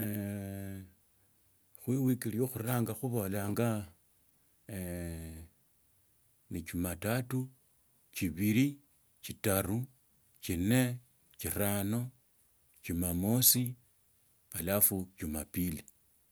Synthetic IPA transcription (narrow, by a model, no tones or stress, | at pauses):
xwiwikilijoxuraːŋɡaxuβo̞laːŋɡa | nit͡ʃumatatu | t͡ʃiβiɾi | t͡ʃitaru | t͡ʃine̞ | t͡ʃirano̞ | t͡ʃimamosi | alafucumapili